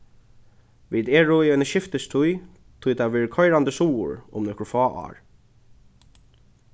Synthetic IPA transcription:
ʋiːd̪ɛːɹʊiœjnəʃɪft̪əst̪ʰʊj | t̪ʰʊjt̪ʰaʋɛːɹkʰɔjɾand̪əsuːʊ̰ɹʊ̰mnɔhkɹʊfɔːʔa̰ːɹ

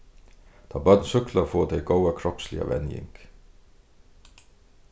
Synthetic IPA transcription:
t̪ʰɑbœd̪nsʏklafoːd̪ɛɪɡoʊwakʰɾɔpslɪ̰a̰ʋɛ̰njɪ̰ŋk

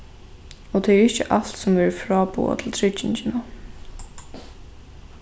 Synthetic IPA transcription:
ɔt̪ʰɛɛɹɪht͡ʃɪʔalt̪sʊmʋɛɹəfɹaːpṵːa̰t̪ʰɪlt̪ʰɾɪt͡ʃɪɲt͡ʃɪna

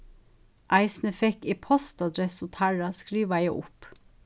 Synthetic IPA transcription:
ʔɑɪsn̩əfɛkiːpʰɔst̪ɑd̪ɾɛsoːt̪ʰæɹɑskɾiːʋɑjæɪʔʊ̰p

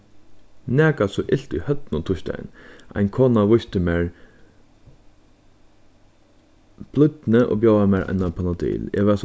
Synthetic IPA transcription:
nɛːkasɔʔɪl̥t̪ʊjhœt̪nʊt̪ʰʊʃt̪a̰j̰nʔa̰ɪnkʰoːnaʋʊst̪əmeːɹ | b̥lʏt̪nəʔo̰ːbjawamɛːɹʔɛ̰nːapʰanad̪ḭːlḛːʋɛs

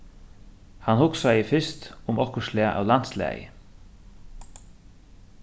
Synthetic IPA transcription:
hanhʊksajəfɪst̪ʊmɔkəʂlɪaʔa̰ːwlant̪slæ̰ːjə̰

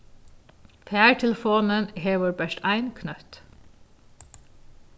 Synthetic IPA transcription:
fæːɹʈʰɛləfoːnənheːʋʊːɾbæʃʈæɪnkʰnœt̪

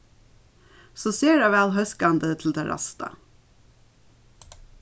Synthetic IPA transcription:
soːseːɾɑːʋæːlɦœskɑnd̪ət̪ʰl̩d̪eːɾɑ̰st̪ɑ̰

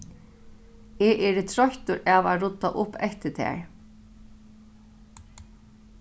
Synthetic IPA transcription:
ɛʔɛːɾɪt̪ʰɾɔçt̪ʊɾaːʋaɾʊt̪ːa̰ʔʊpːɛht̪ɪt̪ʰæ̰ɹ

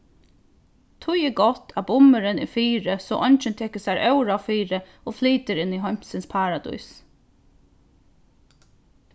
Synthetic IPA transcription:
t̪ʰʊjɛɡɔt̪ʰabʊməɾɪnɪ̰fiːɾəsɔ̰ːʔɔnt͡ʃɪnt̪ʰɛːkəsaɾœwɾaʋfiːɾə | ofliːt̪əɾɪnːiɦɔm̥sɪnspʰaːɾad̪ṵjs

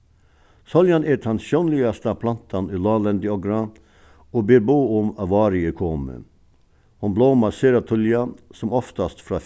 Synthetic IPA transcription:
sɔljɑneːʈ̪ʰɑnʃɔːnlɪɑst̪əɑpʰlɑnt̪ʰɑnyːlɑːlɛnd̪ɪɔɡɾɑ | oːbeːɾbuːʊmɑʋɑːɾɪəkʰoːmə̰ | hʊnbloːmɑseːɾɑt̪ʰʊljɑsɔmɔft̪ɑst̪fɾɑː

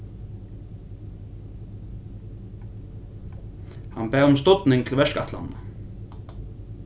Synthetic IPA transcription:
hanbæːʁʊmst̪ɔt̪nɪŋt̪ʰɪlʋɛʂka̰t̪la̰nə

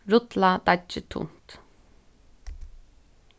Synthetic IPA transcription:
ɾʊt̪lad̪ɑt͡ʃət̪ʰʊ̰nt̪

